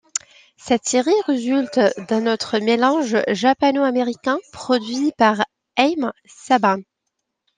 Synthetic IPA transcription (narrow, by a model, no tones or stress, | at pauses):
sɛt̪seʁiʁezylt̪d̪ɛ̃nɔt̪χəmelɑ̃ʒʒapanoameʁikʲɛ̃pχɔd̪ɥipaʁ | ɛjm | sabã